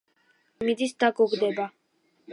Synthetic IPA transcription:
mid̪isd̪aɡɔɡd̪ɛba

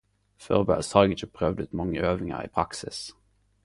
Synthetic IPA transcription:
fø̰ːʁbæ̰lshɑʁɛɡɪçəpʰʁœʋd̪ʉːt̪mɑŋːəøːʋɪŋə̰ʁḭːpʰʁɑksɪs

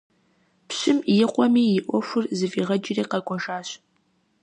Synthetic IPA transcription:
pɕɪmjɪqʷɔmiːjɪʔʷɔfʷʊrzɨviːʁɐd͡ʒireːqɐɡʷʼɔʒaːɕ

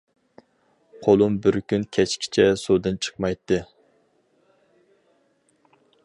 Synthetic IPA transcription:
qʰolˠumbɪɾkʲynkʲʰɛt͡ʃkʲʰi̥t͡ʃʰɛsod̪ɨnt͡ʃʰə̥qmɑjt̪ːɨ

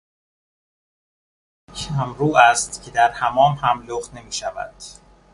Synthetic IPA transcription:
cʰæmɾuːʔæst̪cʰe̞d̪æɾhæmɒːmhæmloχne̞miːʃævæ̰d̪̥

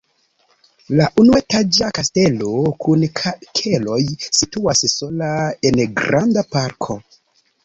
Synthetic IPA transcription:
laʔunuetad͡ʒakaste̞lo̞kʰunkʰelo̞jsituasso̞laenɡɾandapaɾkʰo̞

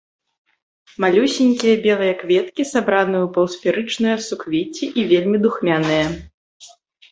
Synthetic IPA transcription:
malʲusʲinʲkʲijɐbʲɛlˠɨjɐkvʲɛt̪kʲisabɾanɨjɛwpɐwsfʲiɾɨt͡ʂnɨjɐsukvʲit͡sʲiʔivʲelʲmʲid̪uxmʲanɨjɐ

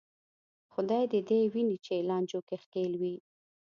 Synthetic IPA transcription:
xʊd̪ɑjd̪əd̪ewinit͡ʃelɑnd͡ʒokexkelwi

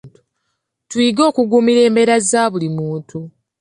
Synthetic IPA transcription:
tu̥ | twiɡo̞ːkuɡumiɾe̞ːmbe̞ɾazaːβulimuːntʰu

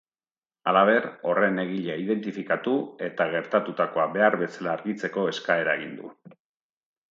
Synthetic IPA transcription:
alaβ̞e̞ɾo̞re̞ne̞ɣ̞iʎaiðe̞nt̪ifikat̪ue̞t̪aɣe̞ɾt̪at̪ut̪ako̞abe̞aɾβe̞salaːɾɣit͡se̞ko̞e̞skae̞ɾaeɣ̞ind̪ṵ

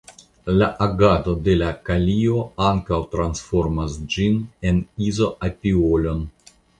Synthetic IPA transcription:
laʔaɡato̞de̞lakalio̞aŋkawtɾansfo̞ɾmasd͡ʒine̞nizo̞ʔapiolo̞n

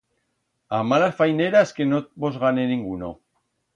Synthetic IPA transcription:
amalasfajneɾaeskenot̪̚bozɣaneniŋɡuno̰

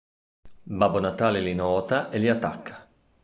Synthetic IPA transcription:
babonat̪aːlelinɔːt̪aʔeliat̪ːakʰːḁ

